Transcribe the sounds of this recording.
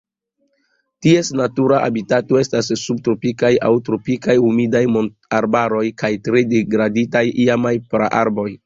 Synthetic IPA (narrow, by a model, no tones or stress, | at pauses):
tie̞snatuɾaʔa̰bitato̞e̞stasːub̚tɾo̞pikaja̰wtɾo̞pikajumidajmon | aɾbaɾo̞jkajtɾe̞deɡɾaditajiamajpɾa̰ʔaɾbo̞j